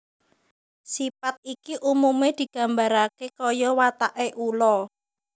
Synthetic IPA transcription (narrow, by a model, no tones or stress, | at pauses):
sipat̪̚ikiʔumumed̪̥i̤ɡ̥a̤mbaɾakekɔjɔwat̪aʔeʔulɔ